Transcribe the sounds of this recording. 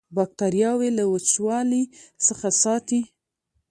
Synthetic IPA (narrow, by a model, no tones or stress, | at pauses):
bɑk̚t̪aɾjɑwelawət͡ʃwɑlisəxasɑt̪i